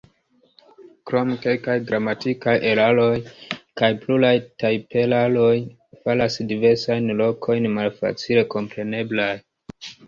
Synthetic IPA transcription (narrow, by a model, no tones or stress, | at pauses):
kɾo̞mke̞lkajɡɾamatikajʔe̞ɾalo̞jkajplulajtajpe̞lalo̞j | falasdive̞ɾsajnlo̞kʰo̞jnmalfa̰t͡sile̞ko̞mpɾe̞ne̞blaj